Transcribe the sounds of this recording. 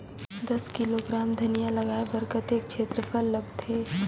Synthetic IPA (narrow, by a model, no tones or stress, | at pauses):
d̪ɐskiloɡɾaːmd̪ʱɐnijaləɡaːebəɾkət̪eːk̚t͡ʃʰeːt̪ɾəpʰəlːəɡt̪ʰeː